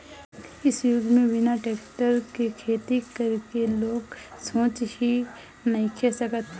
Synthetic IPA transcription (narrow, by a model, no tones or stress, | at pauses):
ɪsjʊɡmẽʋɪnaʈeːkʈəɾkikʰeːt̪ikɐɾkeloːɡsõːt͡ʃhi | nɐɦĩkʰɛsəkət̪